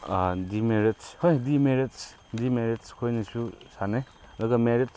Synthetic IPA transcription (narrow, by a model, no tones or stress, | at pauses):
dimeɾitshojdimeɾets | dimeɾitskʰojnisusanej | dɐɡɐmeɾit̚s